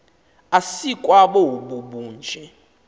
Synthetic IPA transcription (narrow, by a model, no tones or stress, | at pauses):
asikʼwaɓɔuɓuɓuːnd͡ʒʱɛ